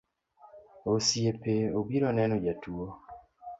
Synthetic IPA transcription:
osiepeoɡiɾonenuɟatuo

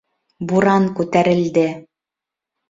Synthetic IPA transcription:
buɾɑŋkʉt̪æɾɘ̆ld̪ɘ

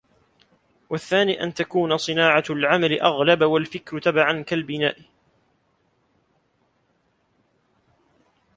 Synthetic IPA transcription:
waθːaːniːʔa̰nt̪akuːnasˤɨnaːʕalʕamalɪʔaɣlabwalfɪkɾt̪abaʕankalbɪnaːʔɪ

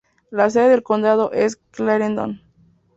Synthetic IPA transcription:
las̬eðeðelkond̪aðoʔeskleɾend̪o̰n

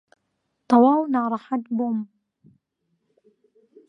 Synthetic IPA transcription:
t̪ˤɑwaːwnaɾˤɑħat̪bʊm

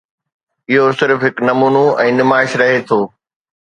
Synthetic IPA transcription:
ɪɦosɪɾfɦɪknɐmuːnoɛ̃ːnɪmaːɪʃɾɐɦet̪ʰoː

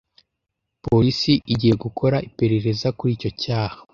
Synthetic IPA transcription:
poɾisiʔiɟije̞ɡukʰo̞ɾaipe̞ɾe̞ɾe̞zakuɾiːco̞caːha

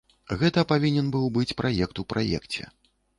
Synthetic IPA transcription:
ɣɛt̪ɐpavʲinʲɛnbɨwbɨt͡sʲpɾajɛkt̪upɾʔajɛ̰kt͡sʲɛ̰

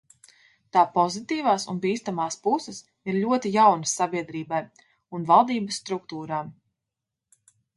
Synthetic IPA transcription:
t̪aːpɔzit̪iːvaːsṵnbiːst̪amaːspusɛs | iɾʎʲuɔt̪ijawnasːabiɛd̪ɾiːbaj | unvalˠd̪iːbəsːt̪ɾuk̚t̪uːɾaːm

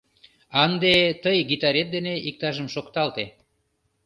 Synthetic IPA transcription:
ɑnd̪et̪əjɡit̪ɑɾet̪̚d̪eneik̚t̪ɑʒəmʃokt̪ɑlt̪e

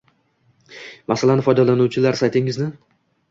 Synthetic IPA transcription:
masalanfɒjd̪alanuwt͡ʃʰɪlaɾsajt̪ʰɪŋɪznɪ

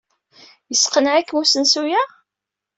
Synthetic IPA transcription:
jəsqənʕækːmusənsujæ

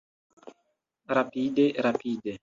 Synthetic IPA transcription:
ɾapideɾapiːde

